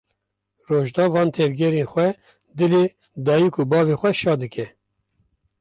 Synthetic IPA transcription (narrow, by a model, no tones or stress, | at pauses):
roːʒd̪ɑːvɑːnt̪ʰɛvɡʲɛɾenxʷɛ | d̪ɨleː | d̪ɑːjikubɑːvexʷwɛʃɑːd̪ɨkʰɛ